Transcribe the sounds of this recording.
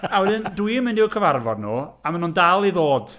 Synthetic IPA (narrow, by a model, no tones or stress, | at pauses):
awɛdɪndwuimɪndɪwkʰəvarvɔd̚nuːamanuːndalˠiðoːd̥